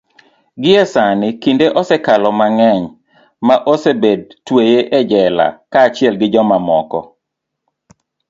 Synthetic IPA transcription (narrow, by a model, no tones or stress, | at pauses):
ɡɪɛsanɪkindeʔɔsɛkalɔmaŋɛɲ | maʔosebed̚twejeʔɛd͡ʒɛla̰kaːt͡ʃɪɛlɡɪd͡ʒɔmamɔkɔ̰